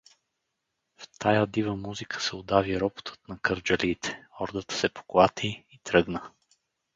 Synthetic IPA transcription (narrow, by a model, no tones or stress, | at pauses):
ft̪ʰajad̪ivəmuzikʰə̥sɛod̪aviɾɔbo̥t̪ʰə̥t̪nɐkəɾd͡ʒɐliːt̪ʰɛ̥ɔɾd̪ət̪sɛpo̥klˠat̪ʰiit̪ɾɤɡnə